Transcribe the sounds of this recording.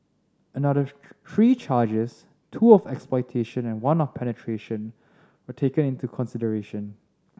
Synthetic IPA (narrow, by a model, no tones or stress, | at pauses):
ənadə | t̪ʰɹiːt͡ʃaːd͡ʒəs | tʰuːɔfɛksplɔɪtʰeʃə̃nɛ̃nwãnɔfpʰɛnətʰɹeʃə̃n | wətʰekə̃nɪ̃ntukʰɔ̃nsɪdəɹeʃə̃n